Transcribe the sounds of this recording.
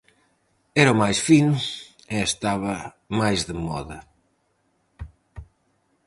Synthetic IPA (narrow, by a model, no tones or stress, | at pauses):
ɛɾɐʊmajsfinʊ | eest̪aβɐ | majzðemɔ̰ðɐ